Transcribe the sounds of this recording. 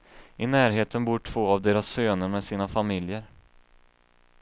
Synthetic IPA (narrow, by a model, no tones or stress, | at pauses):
ʔɪnæːɾɦeːt̪ənbuːʈʰv̥oːavd̪eːɾasːøːnəɾmɛsiːnafamɪljəɾ